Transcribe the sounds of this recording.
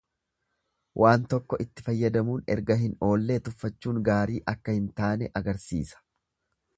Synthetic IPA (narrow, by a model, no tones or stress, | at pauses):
wʔaːnt̪ɔkːɔʔɪt̪ːɪfɐjːɐd̪ɐmuːnɛ̰ɾɡɐɦɪno̞ːlːe̞ːt̪ʊfːɐt͡ʃːuːŋɡaːɾiːʔɐkːɐhɪnt̪aːnɛʔɐɡɐɾsḭːsɐ̥